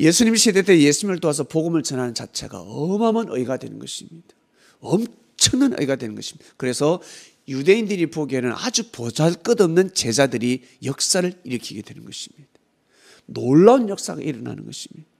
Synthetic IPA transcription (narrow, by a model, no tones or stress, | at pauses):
je̞sʰuɲimɕʰedeteje̞sʰuɲimɯɭt͈oas̬ʰʌpoɡɯmɯɭt͡ɕʌnɦanɯnt͡ɕat͡ɕʰe̞̰ɡa̰ʌmʌmʌnʔɯ̰iɡadwe̞̰nɯnɡʌɕʰimɲid̥ḁ | ʌm | t͡ɕʰʌŋnanɯ̰iɡadwe̞nɯnɡʌɕʰimɲid̥akɯɾe̞sʰʌ | jude̞indɯɾipoɡenɯna̰d͡ʑupod͡ʑaɭk͈ɯdʌmnɯnt͡ɕe̞d͡ʑadɯɾi | jʌk̚s͈aɾɯɭiɾɯkʰiɡe̞dwe̞nɯnɡʌɕʰimɲid̥ḁ | noɭːaunjʌk̚s͈a̰ɡa̰ʔiɾʌna̰nɯ̰nɡʌɕʰimɲid̥a